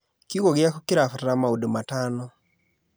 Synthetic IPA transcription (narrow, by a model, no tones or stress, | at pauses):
kiɣoɡɪakokɪɾafɾamaudomatanɔ